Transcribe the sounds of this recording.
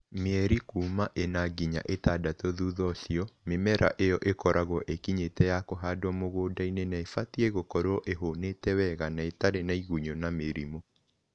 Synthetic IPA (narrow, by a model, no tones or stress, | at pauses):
meɛɾikuːmaʔenaɡiɲa̰ʔetadatɔðuːðɔsiɔmemɛɾa̰ʔejɔʔekɔɾʔaɣɔʔekiɲetɛjakoɦaːdwɔmoɣoːdainenaefatiɛɣokɔɾoɔʔeɦonetɛwɛɣanaetaɾenaiɣuɲonameɾimo